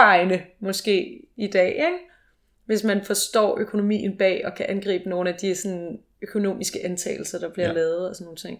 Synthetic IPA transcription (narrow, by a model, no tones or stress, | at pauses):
ɑ̈ɪnəmɒ̽sɡ̥e̝̰ːid̥ɛ̰ːeɡ̥ | ʋe̝smænfɒ̽sd̥ɒ̰ːøkʰo̝no̝mḭːn̩b̥ɛ̰ːɒ̽kʰæʔænɡ̥ʁḭːb̥əno̝ːn̩æd̥isɒ̽nn̩ | økʰo̝no̝̰ːmisɡ̥əʔænt͡sʰɛ̰ːl̩sɐd̥ɑ̈b̥liɐlɛːð̞̩ˠɒsɒnːo̝ːn̩t͡sʰe̝ŋ̰